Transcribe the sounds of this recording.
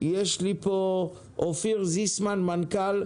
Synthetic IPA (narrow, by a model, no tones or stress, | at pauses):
jɛʃlipo | ofiʁzismanmankal